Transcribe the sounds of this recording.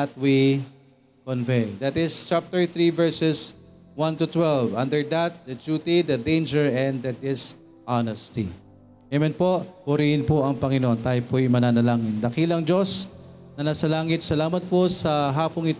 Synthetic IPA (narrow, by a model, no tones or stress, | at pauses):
ɐt̪̚wi | konvejd̪at̪ɪst͡ʃap̚t̪ɛɹθɹivɛɹsɛs | wãnt̪ʊt̪wɛlvʔɐ̃nd̪ɛɹd̪ɐt̪̚d̪ɐd͡ʒuːt̪id̪ɐd̪ejnd͡ʒɛɹɛ̃nd̪ɐd̪ɪs | ʔanɛst̪ḭ | ɛmɛnpohʊɾihɪnpoʔɐŋpɐŋɪnoʔont̪aːjopojɪmɐnaːnɐlaːŋɪnd̪ɐkiːlɐŋd͡ʒos | nɐnasɐlaːŋɪt̪̚sɐlaːmɐt̪̚posɐɦaːpoŋɪt̪